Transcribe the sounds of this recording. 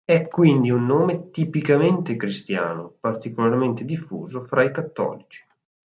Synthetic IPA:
ɛkːwind̪iunːoːmet̪ipikament̪ekɾist̪ja̰ːnopart̪ikolarment̪ed̪ifːṵːzofɾʔaikat̪ːɔ̰ːlit͡ʃi̥

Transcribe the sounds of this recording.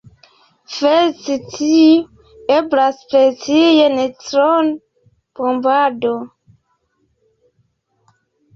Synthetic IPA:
fesitʰi | eblaspɾet͡sijenetɾon | b̥ombado

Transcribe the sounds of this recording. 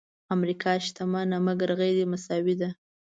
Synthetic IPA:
amɾikʰɑʃt̪amanamaɡaɾɣeɾimasɑwid̪a

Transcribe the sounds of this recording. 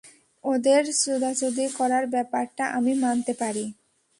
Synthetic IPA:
od̪eɾsud̪ʱat͡ɕod̪ikɔɾaɾbɛpaɾʈaʔamimant̪epaɾi

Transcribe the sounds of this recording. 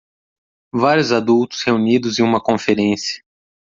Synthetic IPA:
vaɾjʊzad̪uwt̪ʊ̥sheunid̪ʊzẽũmɐkõfeɾẽsiɐ̥

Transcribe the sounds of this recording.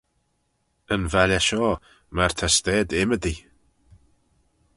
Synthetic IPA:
ənvaljaʃɔː | martʰastɛːdɪmədi

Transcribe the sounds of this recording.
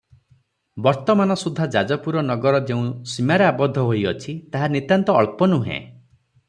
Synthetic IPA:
bɔɾt̪ɔmanɔsud̪ʱːad͡ʒad͡ʒɔpuɾɔnɔɡɔɾɔd͡ʒeũsimaɾeabɔd̪ʱːɔɦojɔt͡ʃʰit̪aɦanit̪jant̪ɔːɭpɔnuɦḛ̃

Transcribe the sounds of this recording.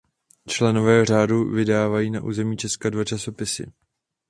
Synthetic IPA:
t͡ʃlɛno̞vɛːr̝aːduvɪdaːvajiːnaʔuːzɛmiːt͡ʃɛskadvat͡ʃaso̞pɪsɪ̰

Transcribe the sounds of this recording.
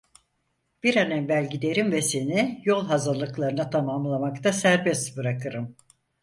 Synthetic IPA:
b̥iɾanɛnvælʲɟid̪e̞ɾimvɛse̞nijo̞lˠɦazalˠɯklˠaɾɯnat̪ʰamamlˠamakt̪ʰasæɾbɛst̪bɯɾakʰɯɾɯm

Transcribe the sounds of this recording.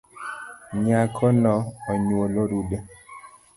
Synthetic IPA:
ɲakʰɔnɔɔɲwoloɾude

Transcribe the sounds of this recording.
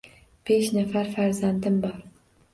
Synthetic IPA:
b̥eʃnafaɾfaɾzand̪ɪmbɒɾ

